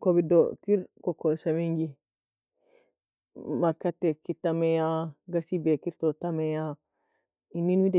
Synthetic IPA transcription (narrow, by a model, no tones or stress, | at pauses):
kobidɔkiɾkɔkːosamiŋɡi | maɾkatːɛkitːamɛjaɡasibekiɾtɔtamɛja | inːinwidɛ